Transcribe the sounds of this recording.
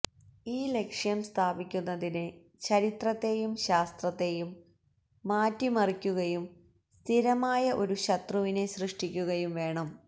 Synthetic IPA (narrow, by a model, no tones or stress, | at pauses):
iːle̞kʂjɐmst̪ʰaːbikʲːunːɐðinɨ | t͡ɕɐɾit̪rɐt̪ːe̞jumɕaːst̪rɐt̪ːe̞jumː | aːtːimɐrikʲːuɣɐjum | st̪ʰiɾɐmaːjɐʔo̞ɾuɕɐt̪ruʋineɕrɨʂʈikʲːuɣɐjumʋe̞ːɳɐm